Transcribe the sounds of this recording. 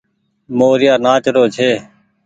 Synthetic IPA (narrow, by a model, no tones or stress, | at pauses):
moːɾɪjaːnaːt͡ʃɾoːt͡ʃʰeː